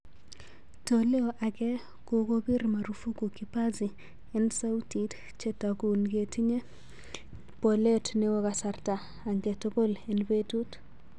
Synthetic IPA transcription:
to˨le˦o˨ʔa˨ɡɛ˦ | ko˦ɡo˦bi˦ɾma˨ɾu˨fu˦ɡu˨ki˨pa˦zi˨ | ɛ˨nsa˦u˦ti˨t | t͡ʃe˦ta˨ɡu˨nɡe˨ti˦ɲe˦ | po˨le˦tne˦wo˦ka˨sa˦rtaː˨ | ŋɡɛ˨to˦ɡo˦le˨nbe˦tu˦t

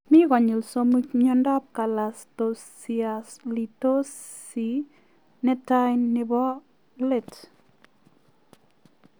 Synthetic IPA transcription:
mɪ˦ɣɔ˨ɲi˨lso˦mu˦kɲɔ˦nda˦p̚ka˨lastos | iaslito˦s | i˨ | nɛ˦tanːɪbɔ˦ | let

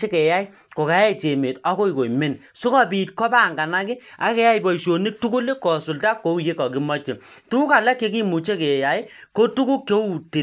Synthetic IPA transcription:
e˦kɛ˨ja˦i˦ | ko˨ka˨˦ɛ˦˨t͡ʃe˨me˨ta˦ko˦i˨ko˨me˦nsu˦kɔ˦bi˨tkɔ˦ba˦˨ŋɡa˨na˦kɪ˦a˦kɛ˦ja˦i˦bɔ˨i˨ʃo˨ni˦k̚tu˦ku˦le˦kɔ˨su˨lta˦kːo˦u˨je˦kɔ˨ki˦mɔ˦t͡ʃːe˨ | tu˦ka˨lɛ˦kːe˦ki˦mu˨t͡ʃe˦kɛ˨ja˨i˦ | ko˦tu˦ku˦kːjo˦u˨te˨

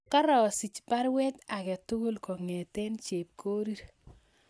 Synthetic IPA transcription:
ka˦ɾɔ˨si˨t͡ʃpa˦ɾwɛ˦t̪a˨kɛ˨tʊ˦ɡo˦lkɔ˨ŋe˨tɛ˦nt͡ʃe˨p̚ko˦ɾi˦ɾ

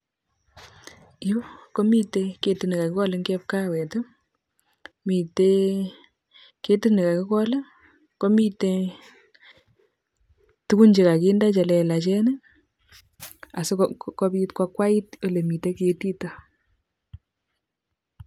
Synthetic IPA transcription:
ju˦kɔ˦mi˦te˦ke˨ti˨ni˨ka˨kɪ˦kɔ˦lə˦ŋkɛ˦p̚ka˦wɛ˨tɪ˦ | mi˨te˦ | ke˦ti˦ni˨ka˨kɪ˦kɔ˦lə˦ | kɔ˦mi˦te˦ | tu˦ku˦nd͡ʒi˨ka˨ki˦nda˦t͡ʃɛ˨lɛ˨la˨t͡ʃɛ˦nɪ˦ | a˨skɔ˦bitkwa˦kwa˦i˦to˦le˨mi˨te˦ke˨ti˦ta˨

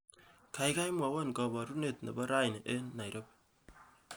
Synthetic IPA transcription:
ka˨jka˦jmwa˨wɔ˦nkɔ˨bɔ˨ɾu˦ne˨t̚nḛ˨bɔ˦ɾa˦jn˨ʔe˦na˨jɾo˦p̚

